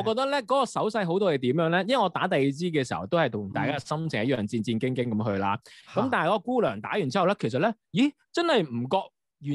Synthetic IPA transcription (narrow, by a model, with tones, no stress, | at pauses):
ɔː˨˧kɔː˧t̪ɐ˥lɛː˥kɔː˨˥kɔː˧sɐ˨˥wsɐ˧jɦo˨˥wt̪ɔː˥je˨˧t̪iː˨˥mjœː˨˥ŋlɛː˥jɐ˥nwɐ˨˩ŋɔː˨˧t̪aː˨˥t̪ɐ˨jt͡siː˥k̬ɛː˧si˨˩hɐ̰˨˩wt̪whɐ˨jt̪ʰʊ˨˩ŋt̪aː˨jkaː˥sɐ˥mt͡sʰɪ˨˩ŋjɐ˦˥jœː˨˩ŋt͡siː˧nt͡siː˧nkɪ˥ŋkɪ˥ŋkɐ˨˧˥mɦɵ˧ɥlaː˧kɐ˨mt̪aː˨n˨jkɔ˧˥kɔ˧kuː˥lœː˨˩ŋt̪a̰ː˨˥jy˨˩nt͡si˥hwlɛː˥kʰe˨˩js̬ɐ˨t̚lɛ˥ji˨˥ | t͡sɐ˥nhɐ˨jm̩˨˩kɔː˧k̚ | jyː˨˩